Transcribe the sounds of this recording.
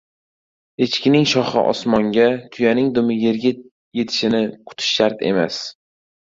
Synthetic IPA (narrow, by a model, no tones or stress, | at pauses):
et͡ʃkʲɪnɪŋʃɒχɨ̰ʔɒ̰smɒŋɡʲat̪ʰʊjanɪŋd̪ʊmɪje̞ɾɡʲɪt̪ | je̞t̪ʰɪ̥ʃɪnɪqʰʊ̥t̪ʰɪ̥ʃːaɾt̪ʰe̞̰ma̰s